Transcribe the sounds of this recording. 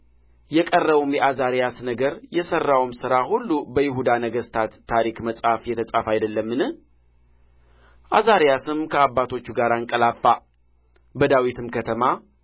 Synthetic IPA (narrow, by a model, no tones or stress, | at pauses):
jɛkʼərːəβumjɛʔazaɾijasnəɡəɾjɛsərːawmsɨɾahulːubəjɪɦud̪anəɡəst̪ʰat̪ʰːaɾikməsʼhafjɛt̪ʰəsʼafajd̪əlːəmːɨnɨh | ʔazaɾijasɨmkʰəabːat̪ʰo̞t͡ʃːuɡaɾaŋkʼəlafːa | bəd̪awit̪ʰɨmkʰət̪ʰəma